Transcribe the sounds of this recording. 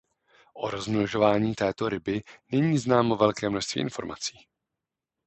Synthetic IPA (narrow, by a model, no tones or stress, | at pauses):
ʔo̞ɾozmloʒo̞vaːɲiːt̪ɛːt̪o̞ɾɪbɪnɛɲiːznaːmovɛlkɛːmnoʃst̪vḭːʔɪnfo̞̰ɾma̰t͡si̥ː